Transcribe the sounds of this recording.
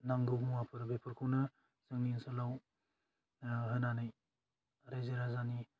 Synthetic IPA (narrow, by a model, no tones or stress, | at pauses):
naŋɡɯwmuwapʰɯɾbʱepʰɯɾkʰɯwnɐ | z̥ɯŋninsɯlaw | ɦɯnanɯj | ɾajzeɾazani